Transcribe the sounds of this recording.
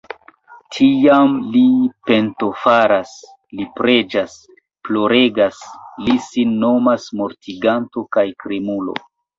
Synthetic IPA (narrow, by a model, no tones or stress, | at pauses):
tʰiamlipe̞nto̞faɾas | lipɾe̞d͡ʒas | plo̞ɾe̞ɡaslisinːo̞masmoɾtiɡanto̞kajkɾimulo̞̰